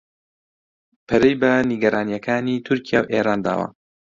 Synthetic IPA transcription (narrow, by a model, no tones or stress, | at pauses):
pʰɐɾejbɐniɡɐɾʔaːnijɐkʰaːnit̪ʰʊɾkijaːwʔeːɾaːnd̪a̰ːwɐ̰